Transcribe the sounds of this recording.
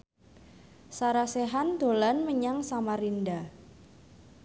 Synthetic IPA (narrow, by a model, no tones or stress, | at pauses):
saɾaseɦand̪̥o̤lanməɲaŋsamaɾinda